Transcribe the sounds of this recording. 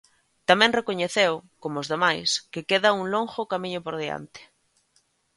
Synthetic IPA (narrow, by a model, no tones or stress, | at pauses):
t̪amɛ̃ŋrekoɲeθewkomʊːzðemajskɪkeðauŋloŋxʊkamĩɲʊpoɾð̞ea̰nt̪ɪ̥